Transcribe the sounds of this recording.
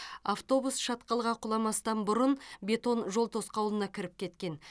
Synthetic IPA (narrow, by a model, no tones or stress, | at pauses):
aft̪o̞busʃɑt̪qɑlˠʁɑqʰʊlˠɑmɑst̪ɑnbʊɾʊnbe̞t̪o̞nʒo̞lˠt̪ʰo̞sqɑwlˠənɑkʲʰɪɾɪp̚kʲʰe̞t̪kʲe̞n